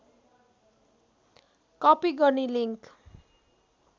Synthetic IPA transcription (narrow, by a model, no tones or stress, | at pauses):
kʌpiɡʌniliŋk